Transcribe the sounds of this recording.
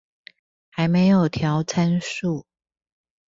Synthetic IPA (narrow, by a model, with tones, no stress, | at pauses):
xa˧˥ɪme˧˥ɪjo˨˩ʊt̪ʰjɑ˧˥ʊt͡sʰa˥nʂu˥˩